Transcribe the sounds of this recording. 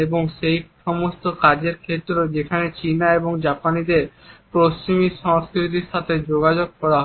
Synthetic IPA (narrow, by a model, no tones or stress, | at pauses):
eboŋʃejʃɔmost̪okad͡ʑeɾkʰet̪ːɾod͡ʑekʰanet͡ɕinaeboŋd͡ʑapanid̪eɾpɾost͡ɕimiʃɔŋskɾit̪̬iɾʃat̪ʰed͡ʑoɡad͡ʑoɡ̚kɔɽaɦɔ